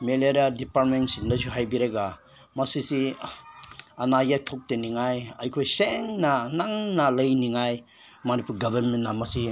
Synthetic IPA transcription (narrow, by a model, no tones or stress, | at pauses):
meleɾadipaɾt̚mensindasuɦajbiɾeɡa | mɐsisi | anajatʰɔk̚teniŋajajkʰojseŋnanaŋnalɐjniŋaj | mɐnipʰuɾɡabaɾmentːamɐsi